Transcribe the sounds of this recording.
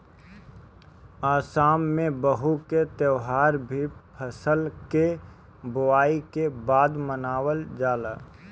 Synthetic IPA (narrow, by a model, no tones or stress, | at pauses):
aːsaːmːẽbəɦuket̪əʊɦaːɾbʱipʰəsəlke | bʊaːikebaːd̪mənaːwəld͡ʒaːla̰ː